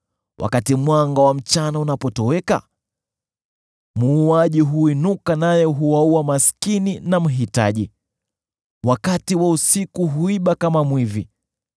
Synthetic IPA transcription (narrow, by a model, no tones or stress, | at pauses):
wʔa̰katimwaŋɡawam̩t͡ʃanaunapɔtɔwɛka̰ | muːaʄiɦuinukanajɛɦuwauwamaskininam̩ɦita̰ʄi | wakatiwausikuɦuiɓakamamwivi